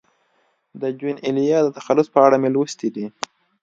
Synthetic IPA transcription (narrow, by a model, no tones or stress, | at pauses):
d̪əd͡ʒwinɪlijɑd̪ət̪axalːʊspəaɽamelwəst̪id̪i